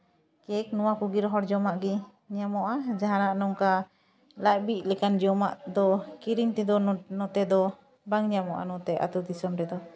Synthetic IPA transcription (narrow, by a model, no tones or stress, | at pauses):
kɛknɔwakuɡiɾɦɔɾd͡ʒɔmaʔɡi | ɲamɔʔad͡ʒaɦãnaʔnɔŋka | laʔ̚bic̚lɛkand͡ʒɔma̰ʔd̪ɔkiɾiɲt̪ɛd̪ɔnɔt̪ɛd̪ɔ | baŋɲamɔ̰ʔa̰nɔt̪ɛʔa̰t̪ud̪isɔmʈɛd̪ɔ